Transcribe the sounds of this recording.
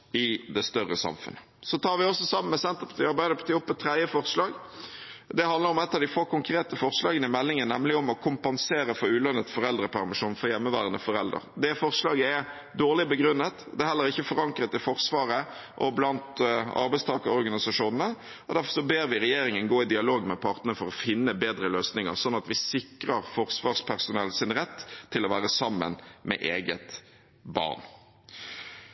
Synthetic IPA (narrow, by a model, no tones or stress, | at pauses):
ɪd̪ɛst̪œɾəsɑ̰mfʉ̰nə | sɔt̪ʰɑːɾʋɪɔsːɔsɑmːənmɛsɛnt̪əʁpɑ̥t̪iːɑɾbæɪd̪əpɑ̥t̪iːʊpːət̪ʰɾæɪəfɔɾslɑːɡ | d̪ɛɦɑnd̪ləɾɔmɛt̪ːɑʋd̪ɪfoːkʰʊŋkʰɾeːt̪əfɔɾslɑːɡənɪmɛlːɪŋənɛmlɪɔmɔkʰʊmpɑnseːɾəfɔʉːlœnːət̪fɔɾɛld̪ɾəpʰæɾmɪʂuːnfɔɾjɛmːəʋæːɾənəfɔɾɛ̰ld̪ə̰ɾd̪ɛfɔʁslɑːɡəɛ | d̪oːʁɾlɪbəɡɾʉnːət̪d̪ɛɦɛlːəɾɪçːəfɔɾɑŋkɾət̪ːɪlfɔɾsʋɑːɾə | ʔɔblɑnt̪ɑ̰ɾbɛɪst̪ʰɑːkəɔʁɾɡɑnɪsɑʂuːnənə | ɔd̪æʁfɔsɔbeːɾʋɪɾɛjeːɾɪŋənɡoːɪd̪ɪɑloːɡmɛpʰɑɾʁt̪nəəfɔɾɔfɪnːəbeːd̪ɾəløːsnɪŋə̰ʁsɔnːɑt̪ʋɪsɪkʁəɾfɔʁsʋɑːʁspʰæʁsʊnɛlsɪnʁɛt̪ʰːɪlɔʋæːɾəsɑmːə̰nmʔɛ̰ʔeːɡə̰t̪ | bɑ̰ʁn